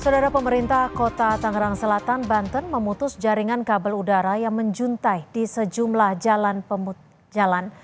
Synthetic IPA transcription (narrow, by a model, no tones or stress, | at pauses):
sadaɾapəməɾint̪ahkot̪at̪aŋɾaŋsəlat̪anbant̪ənməmut̪ʊsd͡ʒaɾiŋankabəludaɾajaŋməɲd͡ʒunt̪ajdisəd͡ʒumlahd͡ʒalanpəm | d͡ʒalan